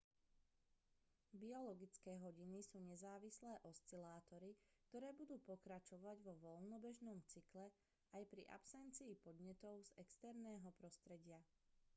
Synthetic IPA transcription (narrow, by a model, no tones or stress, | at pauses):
biɔlɔɡit͡skɛːɦɔɟinisuːɲɛzaːʋislɛːʔɔst͡silaːt̪ɔɾik̚t̪ɔɾɛːbud̪uːpɔkɾat͡ʃɔʋaɟʋɔʋɔlnɔbɛʒnɔmt͡siklɛ | ajpɾḭʔa̰psɛnt͡siːpɔd̪ɲɛt̪ɔʊzɛkst̪ɛɾnɛːɦɔpɾɔst̪ɾɛɟɪa